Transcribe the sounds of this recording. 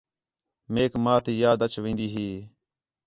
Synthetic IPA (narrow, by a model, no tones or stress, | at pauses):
meːkmaːt̪iːjaːd̪ət͡ʃʋĩːnd̪iːɦiː